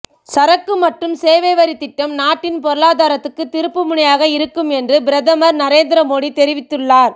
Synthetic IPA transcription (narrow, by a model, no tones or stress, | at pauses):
sɐɾɐkːɯmɐʈrɯmseːʋeːʋɐɾit̪ːɪʈːɐmnaːʈːɪnpɔɾɯɭaːðaːɾɐt̪ːɯkːɯt̪ːɪɾɯpːɯmʊɳɐjaːɣɐɪɾɯkːɯmɛndrɯbɪɾɐðɐmɐɾnɐɾeːnd̪ɾɐmoːɽit̪ɛɾɪʋɪt̪ːɯɭːaːɾ